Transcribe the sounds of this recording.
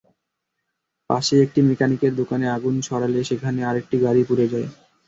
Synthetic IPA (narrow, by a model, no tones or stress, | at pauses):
pa̰ʃeek̚ʈimikanikeɾd̪okaneaɡunt͡ɕʰɔɾaleʃekʰaneaɾek̚ʈiɡaɾipuɾed͡ʑae